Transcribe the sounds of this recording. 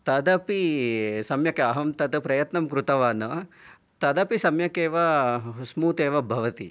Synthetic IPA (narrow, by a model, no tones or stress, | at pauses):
t̪ɐd̪ɐpisɐmjɐkɐɐɦɐmt̪ɐt̪ɨpɾɐjɐt̪nɐmkɾut̪ɐʋaːnɐ | t̪ɐd̪ɐpisɐmjɐkeːʋɐsmuːt̪eːʋɐbʱɐʋɐt̪ḭ